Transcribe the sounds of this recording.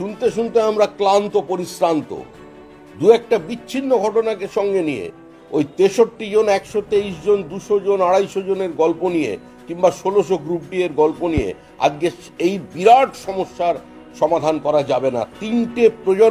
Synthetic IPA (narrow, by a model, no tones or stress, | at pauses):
ʃunt̪eʃ̬unt̪eamɾaklant̪opoɾisɾant̪o̰ | d̪uɛk̚ʈabiːɕʰinːoɡʱɔʈonakeʃɔŋɡenijḛ | ojt̪eʃoʈːid͡ʑonɛkʃot̪eiʃd͡ʑond̪uʃod͡ʑonaɽajʃod͡ʑoneɾɡɔlponijḛ | kimbaʃoloʃ̬oɡɾup̚ɖieɾɡɔlponijḛ | a̰d͡ʑkeʃ | ejbiɾaʈʃɔmoʃːaɾ | ʃɔmad̪ʱankɔɾad͡ʑabena̰t̪inʈepɾod͡ʑo